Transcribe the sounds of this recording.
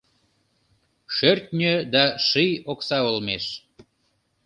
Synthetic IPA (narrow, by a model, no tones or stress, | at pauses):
ʃørt̪̚ʲnʲød̪ɑʃijoksɑolmeʃ